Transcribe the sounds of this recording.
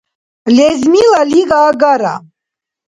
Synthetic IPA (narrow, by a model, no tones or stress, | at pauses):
lɛzmilaliɡaːɡaɾa̰